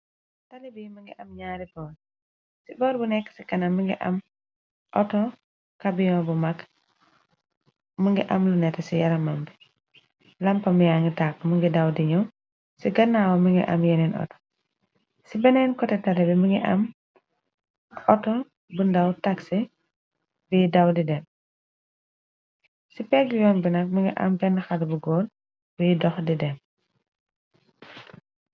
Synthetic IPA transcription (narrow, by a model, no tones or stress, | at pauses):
talibimuŋɡiʔamɲaːɾibɔ | sibɔːɾbunɛkːsikɐnamiŋɡḭʔɐ̰m | ʔɔtɔ | kabijɔbumak | muŋɡiʔamlunɛtɛsijaɾɐmambɛ | lampɐmijaŋɡitakːmuŋɡidawdiɲɔ | siɡɐnːawamiŋɡḭʔa̰mjeninɔ̰tɔ̥ | sibɛnɛnkɔtɛtɐlɛbimuŋɡiʔɐ̰m | ɔtɔ | bundɐwtɐksi | bijidɐwdidɛm | sipɛɡjɔːnbinɐk̚muŋɡiʔɐ̰mɡɛnːɐxɐlbuɡɔːl | bijidɔxdidɛm